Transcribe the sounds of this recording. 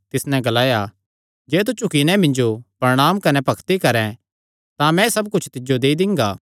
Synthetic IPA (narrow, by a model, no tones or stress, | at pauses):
t̪ɪsnɛ̃ɡɐlaːja | d͡ʒeːt̪̬ut͡ʃʰʊkinɛ̃mɪ̃nd͡ʒopɐɾɽ̃aːmkɐnɛpɐkʰt̪ikɐɾɛ̃ | t̪ãmɛ̃sɐbkʊt͡ʃʰt̪ɪd͡ʒod̪eːid̪ɪ̃ŋɡa̰ː